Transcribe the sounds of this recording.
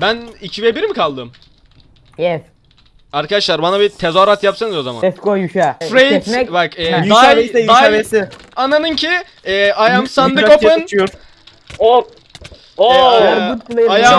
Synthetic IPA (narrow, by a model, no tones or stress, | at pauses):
bænicʰivebiɾmikʰalˠd̪ɯm | jɛs | aɾkʰad̪aʃlˠaɾbanabit̪ʰezoɾat̪japsanɯzo̞za̰ma̰nɛskojyʃɛfɾejɛt̪ɛbakɛd̪ajd̪aesɪ | ananɯncʰi | ɛːajamsand̪ɯkopɯnt͡ʃʰjoɾ | o | oueaja